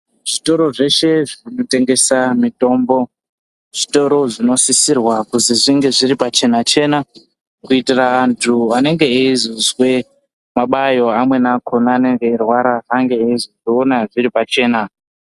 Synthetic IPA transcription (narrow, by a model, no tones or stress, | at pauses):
ʐ̥ito̞ɾo̞ʐe̞ʃe̞ʐino̞te̞ŋɡe̞samito̞mbo̞ | ʐ̥ito̞ɾo̞ʐino̞sisirwakuziʐiŋɡe̞ʐiɾipat͡ʃe̞nat͡ʃe̞na | kuitiraːntʰuane̞ŋɡe̞eizozwe̞ | maɓajo̞amwe̞nakʰo̞naːne̞ŋɡe̞ːrwaɾaːŋɡe̞eizozionaʐiɾipat͡ʃe̞ːna